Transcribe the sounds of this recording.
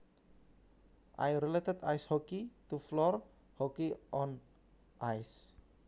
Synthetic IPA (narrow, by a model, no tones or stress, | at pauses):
ʔa̰jɾilet̪əd̪ajshɔkit̪uflɔr | hɔkiʔɔn | ʔajs